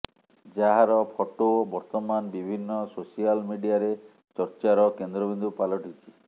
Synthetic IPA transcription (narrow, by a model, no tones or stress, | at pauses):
d͡ʒaɦaɾɔpʰɔʈoobɔɾt̪ɔmanbibʱinːɔsosialmiɖijaɾe | t͡ʃɔɾt͡ʃaɾɔkend̪ɾɔbind̪upalɔʈʰit͡ʃʰi̥